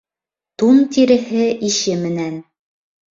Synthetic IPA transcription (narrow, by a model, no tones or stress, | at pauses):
t̪unt̪iɾɘ̆hɘʔiʃɘmɘ̆næn